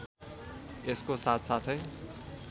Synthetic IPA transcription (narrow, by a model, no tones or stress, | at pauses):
eskosat̪ʰsat̪ʰʌj